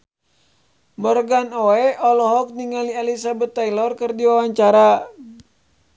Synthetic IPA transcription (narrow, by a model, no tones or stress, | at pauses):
mɔrɡanoɛɔlɔɦɔk̚niŋalialisabɛt̪ːailɔrkɨrdiwawaɲt͡ʃaɾa